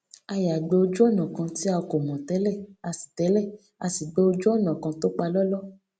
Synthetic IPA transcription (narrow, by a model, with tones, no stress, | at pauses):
a˧ja˨ɡ͡be˧o˧d͡ʒu˦ɔ˦˨nã˨kã˧ti˦a˧ko˨mɔ̃˨tɛ˨˦lɛ˦˨a˧si̥˨tɛ˨˦lɛ˦˨ | a˧si˨ɡ͡be˧o˧d͡ʒu˦ɔ˦˨nã˨kã˧to˦k͡pa˧lɔ˦lɔ˦